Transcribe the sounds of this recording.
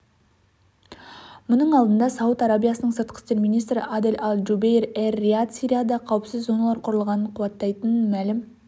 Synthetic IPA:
mʊnəɴɑlˠd̪ənd̪ɑsɑwət̪ɑɾabijɑsənəɴsəɾt̪̚qʰə̥st̪e̞ɾmijnijst̪ɾɪ̰ʔad̪elʔɑlˠʒubejrerːiat̪sʲiɾʲijad̪ɑqʰɑwəpsɪzːo̞nɑlˠɑɾqʰʊɾəlˠʁɑnəɴqʰʊwɑt̪ːɑjt̪ənənmælɪm

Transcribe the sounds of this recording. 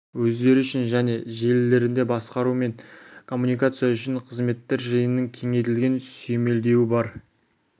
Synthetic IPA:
wɵzd̪e̞ɾɪʏʃɪnʒæne̞ʒe̞lːe̞ɾɪnd̪e̞bɑsqɑɾume̞ŋkʰo̞mːunijkat̪sijaʏʃɪɴqʰəzme̞t̪ːeɾʒəjənːəŋkʲʰe̞ŋe̞t̪ɪlɡʲe̞nsøme̞ld̪e̞wɪbɑɾ

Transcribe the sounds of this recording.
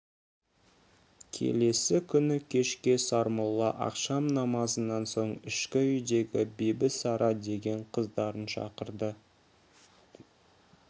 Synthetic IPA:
kʲʰe̞̰le̞sɪkʲʰʏnɪkʲʰe̞ʃkʲe̞sɑɾmolˠɑ̰ʔɑ̰qʃɑmnɑmɑzənːɑnso̞ɴɪʃkʲɪʏjd̪e̞ɡʲɪbejbɪsɑɾɑd̪e̞ɡʲe̞ɴqʰəzd̪ɑɾənʃɑ̰qəɾd̪ə

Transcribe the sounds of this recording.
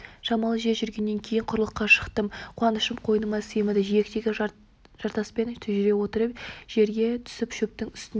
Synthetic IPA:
ʒɑmɑlˠəʒe̞ʒʏɾɡʲe̞nːe̞ŋkʲʰe̞jɪɴqʰʊɾəlˠəqːɑʃə̥qt̪əmqʰʊɑnəʃəmqʰo̞jənəmɑsemɪd̪ɪʒijekt̪eɡʲɪ | ʒ̥ɑɾt̪ɑspe̞nt̪ʰʏʒʏɾe̞wo̞t̪əɾəpʒ̥e̞ɾɡʲe̞t̪ʰʏ̥sɪpʃɵp̚t̪ɪŋʏst̪ɪn

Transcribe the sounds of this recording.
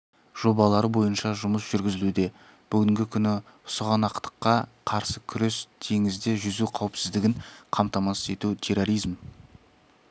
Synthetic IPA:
ʒ̥o̞bɑlˠɑɾəbo̞jənʃɑʒʊməsʒ̥ʏɾɡʲɪzɪlud̪e̞ | b̥ʏɡʲɪŋɡʲɪkʲʰʏnɪ | ʊsəʁɑnɑqt̪ə̥qːɑqʰɑɾsəkʲʰʏɾest̪ʰe̞ŋɪzd̪e̞ʒʏzuqʰɑwəpsɪzd̪ɪɡʲɪɴqʰɑmt̪ɑmɑsə̥e̞t̪ut̪ʲʰe̞ro̞ɾijzm

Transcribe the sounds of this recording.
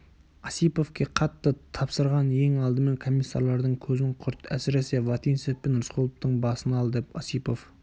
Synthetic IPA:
ɑsijpo̞fkʲe̞qʰɑt̪ːət̪ʰɑpsəɾʁɑnje̞ŋɑlˠd̪əme̞ŋkʰo̞mʲijsːɑ̰ɾlˠɑɾd̪əɴkʲʰɵzɪɴqʰʊɾt̪æ̰sɪɾe̞se̞vˠɑt̪insefpenɾʊsqʰolˠəp̚t̪əɴbɑsənɑlˠd̪epɑsipo̞f

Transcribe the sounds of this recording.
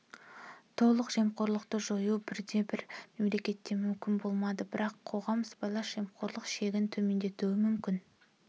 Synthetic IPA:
t̪ʰo̞lˠəqʒ̥e̞mqo̞ɾlˠəqt̪əʒojubɪɾd̪e̞bɪɾme̞mle̞kʲe̞t̪ːe̞mʏmkʲɪnbo̞lˠmɑd̪əbɪɾɑqʰːo̞ʁɑməsbɑlˠɑsʒ̥e̞mqʰo̞ɾlˠəqʃe̞ɡʲɪnt̪ʰɵme̞nd̪e̞t̪uwɪmʏmkʲɪn

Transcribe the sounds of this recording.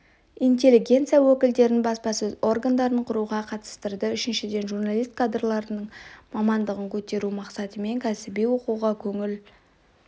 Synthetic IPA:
int̪ʲe̞lːiɡʲe̞nt̪sijawɵkʲɪld̪e̞ɾɪnbɑspɑsɵzo̞rɡand̪ɑɾəɴqʰʊɾuʁɑqʰɑt̪ə̥st̪əɾd̪əʏʃɪnʃɪd̪e̞nʒurnalˠijst̪kʰad̪rlˠɑɾənəɴmɑmɑnd̪əʁəŋkʲʰɵt̪e̞ɾumɑqsɑt̪əme̞ŋkʲʰæsɪbijwo̞quwʁɑkʲʰɵŋɪl

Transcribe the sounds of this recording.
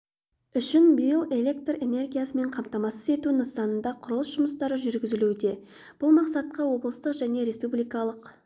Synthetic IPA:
ʏʃɪnbijəlˠe̞lʲe̞k̚t̪re̞ne̞rɡʲijasəme̞ɴqʰɑmt̪ɑmɑsəze̞t̪unəsɑnənd̪ɑqʰʊɾəlˠəsʒ̥ʊməst̪ɑɾəʒʏɾɡʲɪzɪlud̪e̞ | b̥ʊlˠmɑqsɑt̪̚qɑwo̞blˠəst̪əqʒæne̞ɾe̞spublijkɑlˠəq

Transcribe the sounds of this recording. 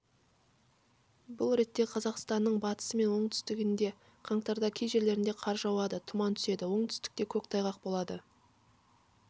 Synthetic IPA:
bʊlˠɾe̞t̪ːe̞qʰɑzɑqst̪ɑnːəɴbɑt̪ə̥səme̞nwo̞ɴt̪ʰʏ̥st̪ɪɡʲɪnd̪e̞ | qʰɑɴt̪ɑɾd̪ɑkʲʰejʒe̞ɾle̞ɾɪnd̪e̞qʰɑɾʒɑwɑd̪ət̪ʰʊmɑnt̪ʰʏse̞d̪ɪwo̞ɴt̪ʰʏ̥st̪ɪ̥k̚t̪e̞kʲʰɵkt̪ʰɑjʁɑqbo̞lˠɑd̪ə

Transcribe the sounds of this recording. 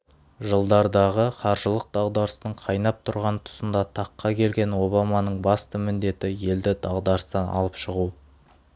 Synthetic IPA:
ʒəlˠd̪ɑɾd̪ɑʁəqʰɑɾʒəlˠəq̚d̪̥ɑʁd̪ɑɾəsnəɴqʰɑjnɑp̚t̪ʰʊɾʁɑnt̪ʰʊ̥sənd̪ɑt̪ʰɑqːɑkʲʰe̞lɡʲe̞nwo̞bɑmɑnəɴbɑst̪əmɪnd̪e̞t̪ɪje̞ld̪ɪd̪̥ɑʁd̪ɑɾst̪ɑnʔɑ̰lˠəpʃəʁu

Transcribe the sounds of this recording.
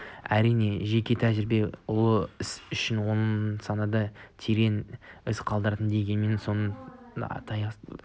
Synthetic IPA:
æɾijne̞ʒe̞kʲe̞t̪ʰæʒɪɾɪbe̞ʊlˠəɪsʏʃɪnwonəsɑnɑd̪ɑt̪ʰeɾe̞nɪsqʰɑlˠd̪əɾt̪ənd̪eɡʲe̞nme̞nso̞nə̰ | t̪ʰɑjɑ

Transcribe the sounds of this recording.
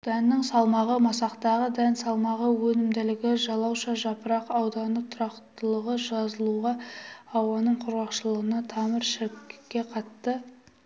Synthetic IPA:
d̪̥ænːɪŋsɑlˠmɑʁəmɑsɑqt̪ɑʁəd̪ænsɑlˠmɑʁəwɵnɪmd̪ɪlɪɡʲɪʒɑlˠɑwʃɑʒɑpəɾɑqɑwd̪ɑnət̪ʰʊɾɑqt̪əlˠəʁəʒɑzəlˠuʁɑɑwɑnəɴqʰʊɾʁɑqʃəlˠəʁənɑt̪ʰɑməɾʃɪɾkkʲːe̞qʰɑt̪ːə

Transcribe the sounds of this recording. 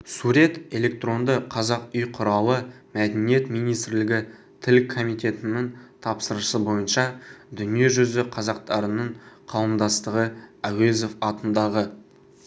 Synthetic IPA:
suɾe̞t̪e̞le̞k̚t̪ro̞nd̪əqʰɑzɑqʏjqʰʊɾɑlˠə | mæd̪enije̞t̪mijnijst̪ɾlɪɡʲɪ | t̪ʰɪlkʰːo̞mijt̪e̞t̪ɪnːɪŋt̪ʰɑpsəɾəsəbo̞jənʃɑd̪ʏnije̞ʒʏzɪqʰɑzɑq̚t̪ɑɾənəɴqʰɑw̪ˠəmd̪ɑst̪əʁəæwezo̞fɑt̪ənd̪ɑʁə

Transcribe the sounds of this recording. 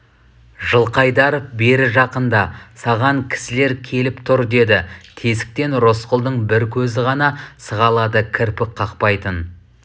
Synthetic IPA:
ʒəlˠqɑjd̪ɑɾbe̞ɾɪʒɑqənd̪ɑsɑʁɑŋkʲʰɪ̥sɪle̞ɾkʲʰe̞lɪpt̪ʰʊɾd̪e̞d̪ɪt̪ʰesɪ̥k̚t̪e̞nɾo̞sqəlˠd̪əɴbɪɾkʲʰɵzɪʁɑnɑsəʁɑlˠɑd̪əkʲʰɪɾpɪk̚qʰːɑqpɑjt̪ən

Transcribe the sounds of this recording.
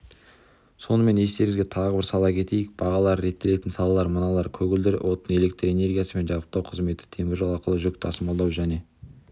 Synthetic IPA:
so̞nəme̞ne̞st̪e̞ɾɪŋɪzɡʲet̪ʰɑʁəbɪɾsɑlˠɑkʲʰe̞t̪e̞jɪk̚b̥ɑʁɑlˠɑɾːe̞t̪ːe̞le̞t̪ɪnsɑlˠɑlˠɑɾmənɑlˠɑɾkʲʰɵɡʲɪld̪ɪɾɪ̰wʔo̞t̪əne̞le̞k̚t̪re̞ne̞rɡʲijasəme̞nʒɑɾəp̚t̪ɑwqʰəzme̞t̪ːɪ̥t̪ʰe̞mɪɾʒolˠɑɾqəlˠəʒʏk̚t̪ʰɑsəmɑlˠd̪ɑwʒæne̞

